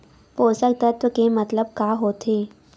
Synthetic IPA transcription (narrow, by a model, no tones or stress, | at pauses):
poːsək̚t̪at̪okemɐt̪ləb̚kaːɦoːt̪ʰeː